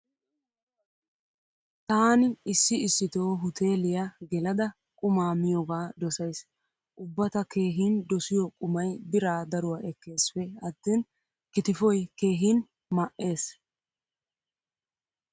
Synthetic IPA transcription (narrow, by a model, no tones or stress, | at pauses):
t̪aːnɪɪsːɪɪsːɪt̪o̞ːɦʊt̪ʰe̞ːlɪjɐɡɛlɐd̪ɐ | kʼʊmaːmɪjɔɡaːd̪ɔsɐjs | ʔʊbːɐt̪ɐke̞ːɦiːnd̪ɔsɪjɔkʼʊmɐjbɪɾaːd̪ɐɾʊwaʔɛkːe̞ːsfɛɐt̪ːeːn | kɪt̪ɪfɔjke̞ːɦiːn | mɐʔe̞ːs